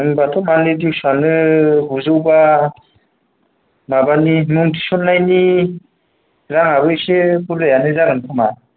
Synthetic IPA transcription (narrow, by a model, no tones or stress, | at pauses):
ŋbatʰɔmanidiwsanɯbuzɯwba | mabanimuŋtʰi̥sɔnːajni | ɾaŋabɯjsebulɯjanɯzaɡɯnkʰama